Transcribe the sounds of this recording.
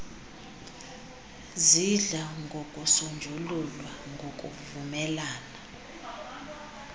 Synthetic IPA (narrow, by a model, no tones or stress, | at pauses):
ziɮaŋɡʱokʼusond͡ʒʱululwaŋɡʱokʼṵvumɛlaːna